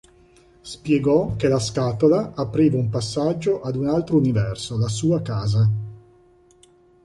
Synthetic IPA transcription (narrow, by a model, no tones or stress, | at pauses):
spjɛɡɔkelaskaːt̪olaːpɾiːvaumpasːad͡ʒːoʔad̪unalt̪ɾounivɛrsolasuːakaːza